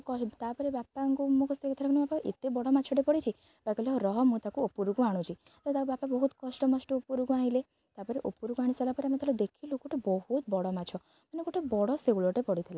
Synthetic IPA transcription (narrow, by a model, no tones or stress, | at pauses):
kɔt̪apɔɾebapaŋkumokʰst̪ekɔt̪ʰaɾakɔnebapaʔḛt̪ebɔɽɔmat͡ʃʰɔʈepɔɽit͡ʃʰi | bakɔlɔɾɔɦɔmũt̪akuopuɾuɡuaɽ̃ũt͡ʃʰi | t̪aet̪akubapabɔɦut̪kɔsʈɔmɔsʈɔopuɾuɡuajle | t̪apɔɾeʔopuɾuɡuaɽ̃isalapɔɾeamet̪alɔd̪ekʰiluɡoʈʰebɔhut̪bɔɽɔmat͡ʃʰɔ | manekoʈʰebɔɽɔsewɭɔʈepɔɽit̪ʰila